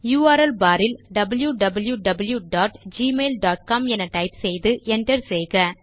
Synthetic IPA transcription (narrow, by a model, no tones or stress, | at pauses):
juːaːɾɛlbaːɾɪlɖɐbɐljuɖɐbɐljuɖɐbɐljuɖaːʈd͡ʒiːmeːlɖaːʈ̚kaːmɛnɐʈɐɪpsɛjðɯʔɛndɐɾsɛjɣɐ